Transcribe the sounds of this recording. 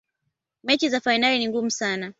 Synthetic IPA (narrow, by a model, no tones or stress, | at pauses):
mɛt͡ʃizafainaliniŋɡum̩sana